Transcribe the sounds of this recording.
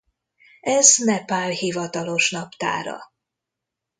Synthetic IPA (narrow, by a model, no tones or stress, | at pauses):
ɛznɛpaːrhivɒt̪ɒlo̞ʃnɒpt̪a̰ːɾɒ̰